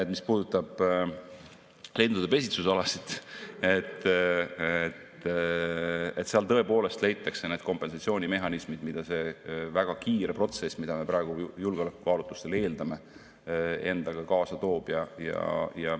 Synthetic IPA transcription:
et̪ːmispuːd̪̥ut̪ːˑɑb̥ | le̞ːnd̪ud̪̥epe̞s̬ʲit̪susɑlɑsit̪et̪ː | et̪ | et̪seɑlt̪ɤ̞e̞po̞ːle̞st̪lejt̪ːˑɑkse̞ne̞ːd̪̥ko̞mpːe̞nsɑt̪sioːnʲime̞ɦɑnismid̪̥mid̪̥ɑse̞væɡ̥ɑkiːɾe̞pro̞t̪se̞smid̪̥ɑme̞pɾɑeɡ̥ujulɡeolekːukɑːlut̪ːˑu̥st̪ele̞ːld̪̥ɑme̞ | e̞̰nd̪̥ɑɡ̥ɑkɑːsɑt̪o̞ːb̥jɑjɑ̰jɑ

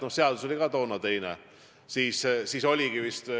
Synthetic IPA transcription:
nohseɑd̪̥usolikɑt̪o̞ːnɑt̪e̞jnḛ | siːssiːso̞lʲiɡ̥ivist̪

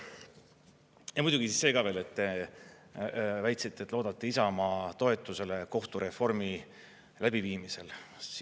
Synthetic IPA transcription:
jɑmud̪uɡ̥isisːeːɡ̥ɑve̞ːlet̪ːe | væjt̪sit̪ːet̪lo̞ːd̪̥ɑt̪ːeisɑmɑːt̪o̞e̞t̪ːˑuse̞le̞ko̞ht̪uɾe̞fo̞rmi | læb̥iviːmise̞l

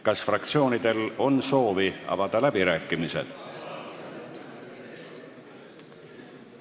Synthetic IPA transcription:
kɑsfrɑk̚t̪sio̞ːnid̪̥e̞lo̞nso̞ːviɑ̰vɑd̪̥ɑlæb̥iɾæːkːˑimise̞̰d̪̥

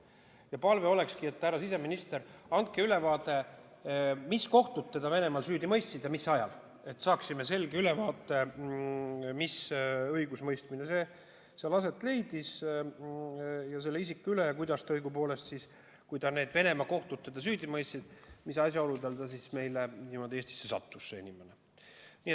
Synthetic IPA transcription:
jɑpɑlve̞o̞le̞kskie̞t̪ːæɾɑsise̞minist̪e̞ɾɑnt̪̚keyle̞vɑːt̪ˑe̞ | misko̞ht̪ut̪̚t̪ːe̞d̪̥ɑve̞ne̞mɑlsyːd̪imɤjst̪sid̪̥jɑmisːɑjɑ̰l | e̞t̪ːsɑːksime̞se̞lɡ̥eyle̞vɑːt̪ːˑe̞ | misɤjɡ̥usmɤjst̪mineseː | selɑse̞t̪ːˑle̞jd̪̥is | jɑse̞lːeisikːˑylejɑkujd̪̥ɑst̪ɤjɡ̥upo̞ːle̞st̪sis | kujd̪ɑneːd̪̥ve̞ne̞mɑko̞ht̪ut̪̚t̪ːed̪̥ɑs̬yːd̪̥ʲimɤjst̪sid̪̥misɑsʲjɑo̞lud̪eld̪ɑsisme̞jlenimo̞d̪ieːsʲt̪i̥sːesɑ̰t̪ːusseḛnʲimene | niːet̪

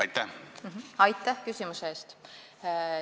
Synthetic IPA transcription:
ɑjt̪ːæhmɦ̩ɑjt̪ːˑæhkysʲimuseeːst̪

